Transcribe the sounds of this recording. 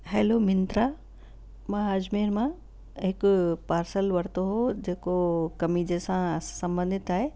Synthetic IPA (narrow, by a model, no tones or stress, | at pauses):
ɦeːlomɪnt̪ɾa | mãɦaːd͡ʑmeːɾmã | ɦɪkʊpaːɾsəlʋɐɾt̪oɦod͡ʑeːkokɐmid͡ʑeːsãsɐ̃mbə̃nd̪ʱɪt̪aːɦeː